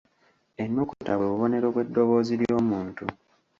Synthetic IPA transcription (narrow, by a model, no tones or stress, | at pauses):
e̞nːukutaweβuβo̞ne̞ɾoβwe̞dːo̞βo̞ːziljo̞ːmuːntu